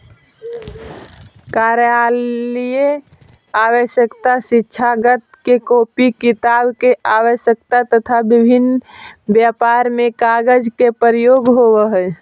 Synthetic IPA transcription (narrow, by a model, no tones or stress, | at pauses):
kaɾjalije | awəʃjəkt̪asitːʃʰaɡət̪kekopikit̪abkeʔawəʃjək̚t̪at̪ət̪ʰabibʱinbjapaɾmekaɡəd͡ʒkepəɾjoɡɦobəɦə